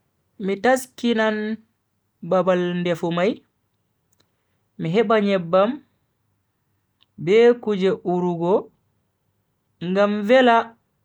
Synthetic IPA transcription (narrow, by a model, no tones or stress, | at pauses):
mitaskinan | babalndɛfumaj | miɦɛbaɲɛbːam | bɛkud͡ʒɛʔuɾuɡɔ | ŋɡamvɛla